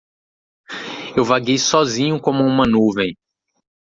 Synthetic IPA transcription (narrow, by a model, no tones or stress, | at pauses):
ewvaɡejsɔzĩɲʊkõmʊũmɐnuvẽj̃